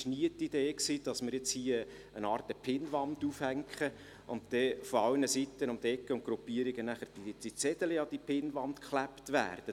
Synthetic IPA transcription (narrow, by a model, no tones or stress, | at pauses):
ʃniətid̥eːksiːd̥ɑsmɪɾjɛt͡shiːə | ənɑːrtəpʰɪnʋɑnd̪uːfhæŋkχə | ʔʊ̰ntdɛfoɑlnəsitːənʊmd̥ɛkːəʊnt̚ɡ̥ɾupːiəɾiɡənæχəɾd̥id̥it͡sɛd̥̪əliɑd̥ipʰɪnʋɑntkχlæptʋæ̰ːrd̥ə